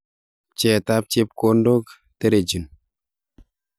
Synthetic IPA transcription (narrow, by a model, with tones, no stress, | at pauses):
t͡ʃɛ˨ta˦p̚t͡ʃe˦p̚ko˦ndo˦k | te˦ɾe˨d͡ʒu˨n